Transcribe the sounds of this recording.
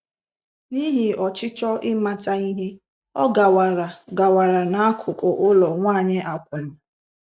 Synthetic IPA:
ni˦ɦɪ˨ɔ˨t͡ʃɪ˦t͡ʃɔ˦ʔɪ˦ma˨ta˦i˦ɦɪ˦ | ɔ˦ɡa˨wa˨ɾa˨ɡa˨wa˨ɾa˨na˨a˦kʰʊ˨kʊ˨ʔʊ˦lɔ˨ŋʷaː˦˨ɲe˦ʔa˨kʷe˨ɾ̩˨

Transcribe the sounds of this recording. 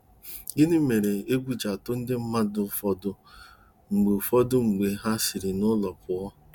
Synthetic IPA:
i˦ne˦me˨ɾe˨e˦ɡʷu˦d͡ʒa˨tʊ˦n̩˦dɪ˦m̩˦ma˦dʊ˨fɔ˦dʊ˦ | ŋ͡m̩˨ɡ͡be˨fɔ˦dʊ˦ŋ͡m̩˨ɡ͡be˨ɦa˦si˨ɾi˨nʊ˦lɔ˨pʊ˨ɔ˦

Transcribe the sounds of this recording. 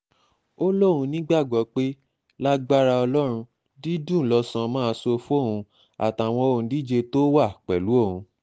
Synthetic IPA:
o˦lo˦˨ɾ̃ũ˧nĩ˦ɡ͡ba˦˨ɡ͡bɔ˨˦k͡pe˦ | la˦ɡ͡ba˦ɾa˧ɔ˧lɔ˦ɾ̃ũ˧ | di˦dũ˦˨lɔ˧sã˧mãː˦˧so˧fu˦o˦˨ɦũ˧ | a̰˨ta˨w̃ɔ̃˧o˧˨ũ˨˧di˦d͡ʒe˧to˦wa˦˨k͡pɛ˨lu˨˦o˦˨hũ˧

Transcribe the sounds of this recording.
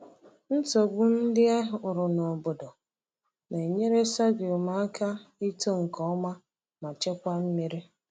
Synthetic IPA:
n̩˦to˨ɡʊ˦n̩˦dɪ˦a˦ɦʊ˨ɾʊ˨nɔ˨bo˨dɔ˨ | ne˨ɲe˦ɾe˦sa˦ɡe˨ma˦a˦ka˦i˦to˦ŋ̩˨kɔ˦ɔ˦ma˦ | ma˨t͡ʃe˦kʷa˦m̩˦mi˦ɾi˦

